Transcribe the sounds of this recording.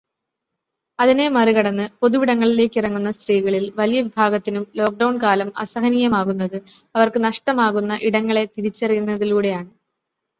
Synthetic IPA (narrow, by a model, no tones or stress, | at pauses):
ɐðine̞mɐriɣɐɽɐnːɨpo̞ðuʋiɽɐŋːɐɭile̞ːkːirɐŋːunːɐst̪riːɣɐɭilʋɐlijɐʋibʱaːɡɐt̪ːinumlo̞ːk̚ɖɐwɳkaːlɐmɐ̰sɐɦɐnijɐmaːɣunːɐðɨ | ɐʋɐrkɨnɐʂʈɐmaːɣunːɐʔiɽɐŋːɐɭe̞t̪iɾit͡ɕːɐrɐjunːɐðiluːɽe̞jaːɳɨ